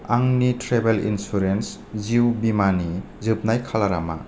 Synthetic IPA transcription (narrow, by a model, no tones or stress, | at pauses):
aŋnitɾebelḭnsuɾens | ziwbimani | zɯp̚najkʰalaɾa̰ma̰